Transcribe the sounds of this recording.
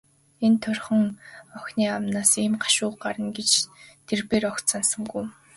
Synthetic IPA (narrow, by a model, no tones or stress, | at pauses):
ent̪ʰʊrχə̆ŋɔxʲniːamnaːsiːmɢḁʃʊːqɢaɾə̆nɡet͡ɕt̪ʰerpeːrɔkt̪sansə̆ŋɡuj